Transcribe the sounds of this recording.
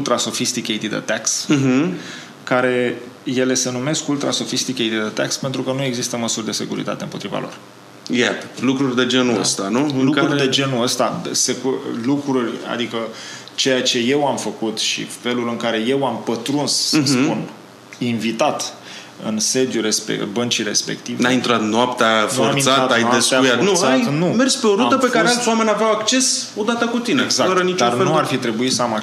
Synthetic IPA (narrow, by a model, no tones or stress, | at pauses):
ult̪ɾaso̞fist̪ikʲejt̪id̪ə̰t̪aks̩ɦ | kaɾe̞ | je̞le̞se̞nume̞skult̪ɾʔa̰so̞fist̪ikʲejt̪id̪ət̪akspe̞nt̪ɾukənue̞ɡzist̪əməsurʲd̪e̞se̞kuɾḭt̪a̰t̪e̞ɨmpo̞t̪ɾiva̰lo̞̰r | jat̪əlukɾurʲd̪e̞d͡ʒe̞nuəst̪anulukɾurd̪e̞d͡ʒe̞nuəst̪asekulukɾurʲa̰d̪ikə | t͡ʃe̞jat͡ʃe̞je̞wamfəkut̪ʃḭfe̞lulɨŋkaɾe̞je̞wampət̪ɾunssəspun | invit̪at̪ | ɨ̰nse̞d̪juɾespḛbənt͡ʃiɾe̞spe̞̰kt̪ivnajint̪ɾat̪noap̚t̪anforatminsatat̪aj̪epsaujat̪usajnumerspeo̞ɾut̪əpekaɾealswame̞nʲaveawakt͡ʃe̞s | o̞d̪at̪əkut̪inezaəɾənit͡ʃd̪arneuarfit̪ɾe̞buit̪səama